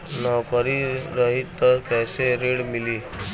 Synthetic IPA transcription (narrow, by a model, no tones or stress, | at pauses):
nɔːkəɾiɾəɦit̪ːəɾkɛːseɾeːɽmɪliː